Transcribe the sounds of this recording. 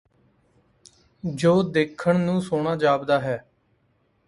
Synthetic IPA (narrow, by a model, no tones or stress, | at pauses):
d͡ʒoːd̪eːkʰːəɳnũːsoːɳ̃aːd͡ʒaːbd̪aːɦɛː